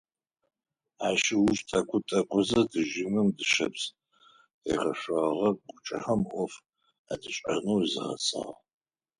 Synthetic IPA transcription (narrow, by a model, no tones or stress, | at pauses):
aʃɪwʊʒtʼɐkʷʰʼʊtʼɐkʷʰʼʊzɐdɨʒɪmɨmdɨʃɐ̰ps | ḛʁɐɕʷɐʁɐɡʷʼʊt͡ʃʼɐ̰ħɐmʔʷɔf | a̰dʰɨɕʼɐnowizɨʁɐ̰t͡sʼa̰ːʁ